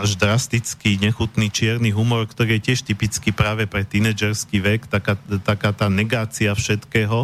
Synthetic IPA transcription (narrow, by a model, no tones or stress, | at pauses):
aʒd̪ɾast̪it͡skiɲɛxut̪nit͡ʃɪɛɾniɦumɔɾkt̪ɔɾiːjɛcɪɛʃt̪ipit͡skipɾaːʋɛpɾɛt̪inɛːd͡ʒɛɾskiːʋɛkt̪akat̪akaːt̪aːnɛɡaːt͡siafʃɛt̪kɛːɦɔ